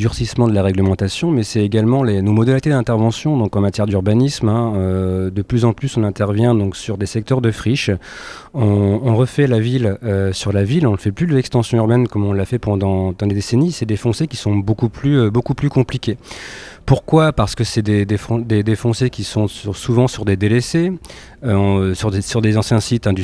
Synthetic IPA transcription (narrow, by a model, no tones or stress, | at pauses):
yʁsismɑ̃d̪əlaʁɛɡləmɑ̃t̪asjɔ̃mɛsɛeɡʲalmɑ̃lenomɔd̪alit̪ed̪ɛ̃t̪ɛʁvɑ̃sjɔ̃d̪ɔ̃kɑ̃mat̪jɛʁd̪yʁbanismɛ̃ød̪əplyzɑ̃plysɔ̃nɛ̃t̪ɛʁvjɛ̃d̪ɔ̃ksyʁd̪esɛk̚t̪œʁd̪əfχiʃ | ɔ̃ːʁəfɛlaviløsyʁlavilɔ̃nəfɛplyd̪əlɛkst̪ɑ̃sjɔ̃yʁbɛnkɔmɔ̃llafɛpɑ̃d̪ɑ̃d̪ɑ̃d̪ed̪esenisɛd̪efɔ̃sekʲisɔ̃bokuplyøbokuplykɔ̃plikʲepuʁkwapaʁsə̥kəsɛd̪ed̪efɔ̃d̪ed̪efɔ̃sekʲisɔ̃suvɑ̃syʁd̪ed̪elese | øɔ̃syʁesyʁd̪ezɑ̃sjɛ̃sit̪ɛ̃d̪